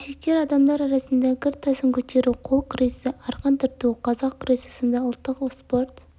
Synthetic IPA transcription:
esekt̪e̞ɾɑd̪ɑmd̪ɑɾɑɾɑsənd̪ɑɡʲɪɾt̪ʰːɑsəŋkʲʰɵt̪e̞ɾuqʰolˠkʰʊɾesɪʔɑɾqɑnt̪ʰəɾt̪uqʰɑzɑqkʰʊɾesɑsənd̪ɑʊlˠt̪ːəqospoɾt̪

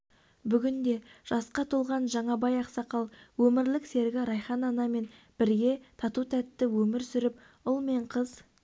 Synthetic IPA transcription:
bʏɡʲɪnd̪e̞ʒ̥ɑsqɑt̪ʰulˠʁɑnʒɑɴɑbɑjɑqsɑqɑlˠwɵmɪɾlɪkse̞ɾɡʲɪɾɑjχɑnɑnɑme̞n | b̥ɪɾɡʲe̞t̪ʰɑt̪ut̪ʰæt̪ːɪwɵmɪɾsʏɾɪp̚ | ʊlˠme̞ɴqʰəz

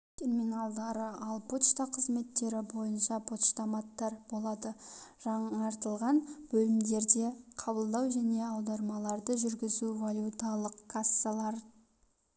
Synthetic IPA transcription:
t̪ʲʰe̞rminalˠd̪ɑɾəɑlˠpʰot̪ʃt̪ɑqʰəzme̞t̪ːe̞ɾɪbo̞jənʃɑpʰo̞t̪ʃt̪ɑmɑt̪ːɑɾbo̞lˠɑd̪əʒ̥ɑɴɑɾt̪əlˠʁɑnbɵlɪmd̪e̞ɾd̪e̞qʰɑbəlˠd̪ɑwʒæne̞ɑwd̪ɑɾmɑlˠɑɾd̪əʒʏɾɡʲɪzuvalʲjut̪alˠəqkʰasːalˠɑɾ

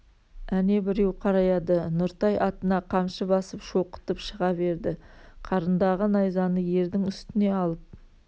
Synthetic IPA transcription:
æne̞bɪɾe̞wqʰɑɾɑjɑd̪ənʊɾt̪ɑjʔɑt̪ənɑqʰɑmʃəbɑsəpʃo̞qə̥t̪əpʃəʁɑbe̞ɾd̪ɪqʰɑɾənd̪ɑʁənɑjzɑnəje̞ɾd̪ɪŋʏst̪ɪne̞ɑlˠəp̚

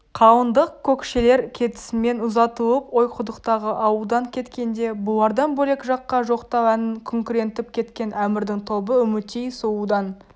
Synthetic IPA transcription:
qʰɑwənd̪əq̚kʲʰɵkʃe̞le̞ɾkʲʰe̞t̪ɪ̥sɪme̞nʊzɑt̪əlˠəpo̞jqʰʊd̪əqt̪ɑʁəʔɑwəlˠd̪ɑŋkʲʰe̞t̪kʲe̞nd̪e̞bʊlˠɑɾd̪ɑnbɵle̞kʒɑqːɑʒo̞qt̪ɑwænɪŋkʲʰʏŋkʲuɾe̞nt̪ɪp̚kʲʰe̞t̪kʲe̞nʔæmɪɾd̪ɪŋt̪ʰo̞bəʏmɪt̪ejsuwud̪ɑn

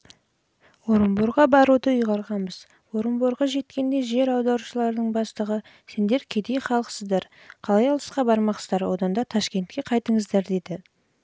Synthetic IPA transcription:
wo̞ɾəmboɾʁɑbɑɾud̪əʏjʁɑɾʁɑnbəz | wo̞ɾəmboɾʁɑʒe̞t̪kʲe̞nd̪e̞ʒe̞ɾɑwd̪ɑɾuʃəlˠɑɾd̪əɴbɑst̪əʁə | se̞nd̪e̞ɾkʲʰe̞d̪e̞jχɑlˠəqə̥səzd̪ɑɾ | qʰɑlˠɑjɑlˠəsqɑbɑɾmɑqzd̪ɑɾwo̞d̪ɑnd̪ɑt̪ʰɑʃkʲe̞nt̪kʲe̞qʰɑjt̪əɴəzd̪ɑɾd̪e̞d̪ɪ

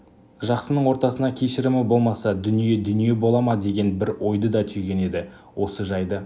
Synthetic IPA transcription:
ʒɑqsənəɴwo̞ɾt̪ɑsənɑkʲʰeʃɪɾɪmɪbo̞lˠmɑsɑd̪ʏnije̞d̪ʏnije̞bo̞lˠɑmɑd̪e̞ɡʲe̞nbɪɾwo̞jd̪əd̪ɑt̪ʰʏjɡʲe̞ne̞d̪ɪ | wʔo̞səʒɑjd̪ə

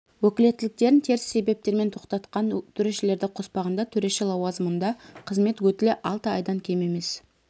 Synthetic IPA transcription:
wɵkʲɪle̞t̪ːɪlɪk̚t̪e̞ɾɪnt̪ʰe̞ɾɪsːe̞be̞p̚t̪e̞ɾme̞nt̪ʰo̞qt̪ɑt̪qɑnt̪ʰʏɾe̞ʃɪle̞ɾd̪ɪqʰo̞spɑʁənd̪ɑt̪ʰɵɾe̞ʃelˠɑwɑzəmənd̪ɑqʰəzme̞t̪wɵt̪ɪlɪʔɑlˠt̪əɑjd̪ɑŋkʲʰe̞me̞me̞s

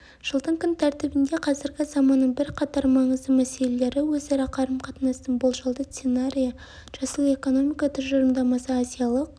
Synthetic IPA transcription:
ʒ̥əlˠd̪əɴkʲʰʏnt̪ʰæɾt̪ɪbɪnd̪e̞qʰɑzɪɾɡʲɪzɑmɑnːəɴbɪɾqʰɑt̪ɑɾmɑɴəzd̪əmæse̞lele̞ɾɪwɵzɑɾɑqʰɑɾəmqʰɑt̪nɑst̪ənbolˠʒɑlˠd̪əssenaɾʲijɑ | ʒ̥ɑsəlˠe̞ko̞no̞mijkɑt̪ʰʏzʒəɾəmd̪ɑmɑsəːzijɑlˠəq̚

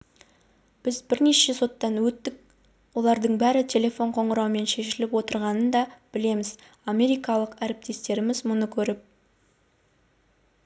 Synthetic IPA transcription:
b̥ɪzbɪɾne̞ʃe̞so̞t̪ːɑnwɵt̪ːɪk̚ | wo̞lˠɑɾd̪əɴbæɾɪt̪ʲʰe̞lʲe̞fo̞ɴqʰo̞ɴʁəɾɑwme̞nʃe̞ʃɪlɪpwo̞t̪əɾʁɑnənd̪ɑb̥ɪle̞mɪz | amʲe̞ɾijkɑlˠəqæɾɪp̚t̪e̞st̪e̞ɾɪmɪzmʊnəkʲʰɵɾɪp̚

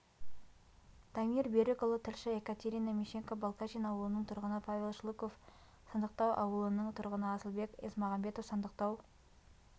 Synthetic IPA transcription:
d̪̥amʲirbeɾɪkolˠət̪ʰɪlʃɪekat̪ʲeɾʲijnamʲeʃeŋkobolˠkat͡ʃinɑwəlˠənəɴt̪ʰʊɾʁənəpʰavʲe̞lˠʃlˠukof | sənd̪əq̚t̪ɑwʔɑ̰wəlˠənəɴt̪ʰʊɾʁənəɑsəlˠbe̞kesmɑʁɑmbe̞t̪ofsənd̪əq̚t̪ɑw

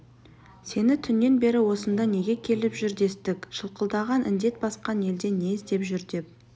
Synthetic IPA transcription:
se̞nɪt̪ʰʏnːe̞nbe̞ɾɪwo̞sənd̪ɑne̞ɡʲe̞kʲʰe̞lɪpʒʏɾd̪e̞st̪ɪkʃəlˠqəlˠd̪ɑʁɑnʔɪ̰nd̪e̞t̪̚bɑsqɑne̞ld̪e̞ne̞ɪst̪e̞pʒʏɾd̪e̞p̚

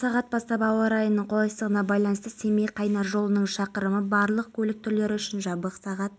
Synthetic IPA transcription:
sɑʁɑt̪̚bɑst̪ɑpɑwɑɾɑjənəɴqʰo̞lˠɑjst̪əʁənɑbɑjlˠɑnəst̪əse̞mejqʰɑjnɑʒo̞lˠənəɴʃɑqəɾəməbɑɾlˠəq̚kʲʰɵlɪk̚t̪ʰʏɾle̞ɾɪʏʃɪnʒɑbəqsɑʁɑt̪̚

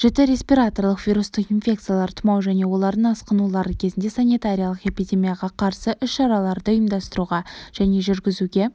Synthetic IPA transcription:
ʒ̥ɪt̪ɪɾe̞spʲiɾat̪o̞rlˠəqvʲiɾust̪əqinfʲe̞k̚t̪sɨjalˠɑɾt̪ʰʊmɑwʒæne̞wo̞lˠɑɾd̪ənɑsqənulˠɑɾəkʲʰe̞zɪnd̪e̞sanijt̪aɾʲijalˠəqe̞pijd̪ʲe̞mijaʁɑqʰɑɾsəʔʏʃʃɑɾɑlˠɑɾd̪əʊjəmd̪ɑst̪əɾuʁɑʒ̥æne̞ʒʏɾɡʲɪzuɡʲe̞

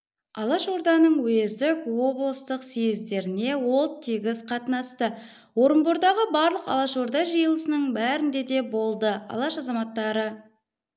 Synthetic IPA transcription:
ɑlˠɑʃo̞ɾd̪ɑnəɴwezd̪ɪkwo̞blˠəst̪əqsijɪzd̪e̞ɾɪne̞wo̞lˠt̪ʰːiɡʲɪzqʰɑt̪nɑst̪ə | wo̞ɾəmboɾd̪ɑʁəbɑɾlˠəqɑ̰lˠɑʃo̞ɾd̪ɑʒəjəlˠəsənəɴbæɾɪnd̪e̞d̪e̞bo̞lˠd̪əɑ̰lˠɑʃɑzɑmɑt̪ːɑɾə

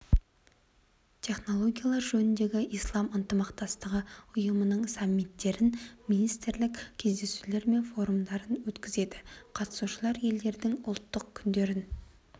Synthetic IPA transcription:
t̪ʰe̞χno̞lˠo̞ɡʲijalˠɑɾʒɵnɪnd̪e̞ɡʲɪʔijslˠɑmənt̪əmɑqt̪ɑst̪əʁəʊjəmənəɴsɑmːit̪ːe̞ɾɪnminijst̪ɪɾlɪkʲkʲʰe̞zd̪e̞sule̞ɾme̞nfo̞ɾumd̪ɑɾənwɵt̪kʲɪze̞d̪ɪ̥qʰɑt̪ə̥suʃəlˠɑɾje̞ld̪e̞ɾd̪ɪŋʊ̰lˠt̪ːəqkʲʰʏnd̪e̞ɾɪn

